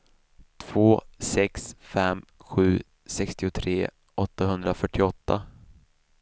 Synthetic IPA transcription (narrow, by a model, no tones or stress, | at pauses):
t̪ʰv̥oːsɛksfɛmːɧʉ̟ː | sɛkst̪ɪʊt̪ʰɾeː | ɔt̪ːaɦɵnd̪ɾafœʈʰːɪɔt̪ʰːa